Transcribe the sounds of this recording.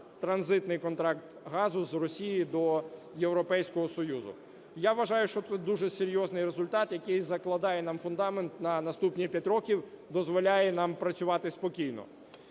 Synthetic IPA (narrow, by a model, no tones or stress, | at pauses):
t̪ɾɐnzɪt̪nɪjkɔnt̪ɾɑkt̪ɦɑzʊzrɔsʲijid̪ɔ | jewɾɔpɛjsʲkɔɦɔsɔjuzʊ̰ | jaʋɐʒɑjʊʃt͡ʃɔt̪sɛd̪uʒɛseɾʲjɔznɪjɾezʊlʲt̪ɑt̪jɐkɪjzɐklˠɐd̪ɑjɛnɑmfʊnd̪ɑment̪nɐnɐst̪upnʲipʲjatʲɾɔkʲiwd̪ɔzʋɔlʲajɛnɑmpɾɐt͡sʲʊʋɑt̪ɪspɔkʲijnɔ̰